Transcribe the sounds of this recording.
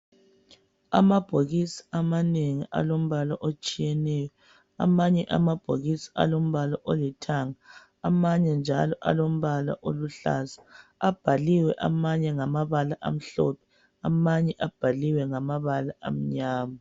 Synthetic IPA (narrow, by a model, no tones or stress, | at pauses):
a̰mab̥ʱoɣisi̥amaneŋiʔa̰lom̩βalaʔot͡ʃʼijɛnɛjɔ | a̰maɲɛʔa̰mab̥ʱoɣisi̥a̰lom̩βalaʔolitʰaŋaː | maɲɛnd͡ʒʱalɔʔa̰lom̩βala̰ʔoluɬa̰zḁab̥ʱaliwɛʔa̰maɲɛŋamaβalaʔa̰m̩ɬɔpʰɛ̥ | amaɲɛʔab̥ʱaliwɛŋamaβalaʔa̰m̩ɲaːma